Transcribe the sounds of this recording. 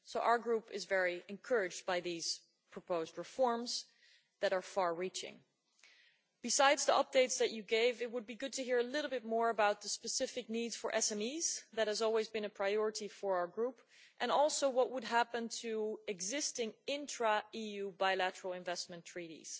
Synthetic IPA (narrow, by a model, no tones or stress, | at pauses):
soʊʔa̰ʊə˞ɡɹupɨzvɛɹiɨ̃nkʰɜ˞ɨd͡ʒdbaɪðiz̥ | pʰɹ̥əpʰoʊzd̚ɹɨfɔɹmz | ðɨɾə˞fɑɹɹit͡ʃɪ̰̃ŋ | b̥ɨsaɪdzðiʔʌp̚d̥eɪtsðɨt͡ʃɨɡeɪvɨt̚wəd̚biɡʊd̚tʰɨɦiɹɨlɪɾl̩ˠbɪt̚mɔɹɨbaʊt̪̚ðəspɨsɪfɨk̚nidz̥fə˞ʔɛsɛ̃miz̥ðɨt̚hɨzɔlˠwizbɨ̃nɨpʰɹ̥aɪɔɹɨɾifə˞aʊə˞ɡɹup | ʔɨ̃nɔlˠsoʊwʌʔ̚wəd̚ɦæpɨ̃ntʰɨɨɡzɪstɪ̃ŋɪ̃ntɹ̥əijʉbaɪlæɾə˞l̩ˠɨ̃ɱvɛsmɨ̃ntʰɹ̥iɾḭz̥